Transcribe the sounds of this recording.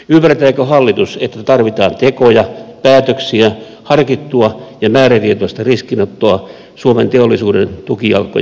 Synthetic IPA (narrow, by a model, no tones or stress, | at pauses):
ympːært̪æikøhɑlːit̪uset̪ːæt̪ɑrʋit̪ɑːnt̪ekojɑpæːt̪øksiæ | hɑrkit̪ːuɑjɑmæːɾæt̪iet̪uɑst̪ɑriskinot̪ːoɑ | suoment̪eolːisuːdent̪ukiɑ̰lkːˑo̰